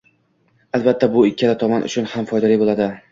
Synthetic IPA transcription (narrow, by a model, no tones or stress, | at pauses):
alˠbat̪ʰːabʊɪkʲʰːalat̪ʰɒmanʔʊ̰t͡ʃʰʊnhamfɒjd̪alibolˠad̪ɪ